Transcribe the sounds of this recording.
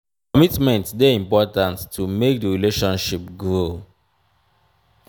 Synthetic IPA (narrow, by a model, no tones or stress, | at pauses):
kɔmitmɛ̃ntsdɛĩmpɔtãntːʰumek̚dəɹileʃɔ̃nʃipɡɹo